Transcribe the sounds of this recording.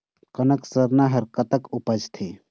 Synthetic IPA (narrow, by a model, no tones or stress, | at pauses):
kənəksəɾnaɦəɾkət̪əkupəd͡ʒt̪ʰe